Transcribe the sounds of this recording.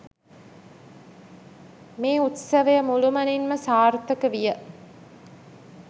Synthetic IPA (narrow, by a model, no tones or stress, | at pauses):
meːut̪sɐʋəjəmulumɐninməsaːrt̪əkəʋijə